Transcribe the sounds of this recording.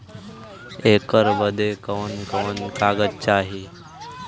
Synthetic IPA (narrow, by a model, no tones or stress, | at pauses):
ekəɾbəd̪ekəʋənkəʋənkaɡətːt͡ɕaːɦi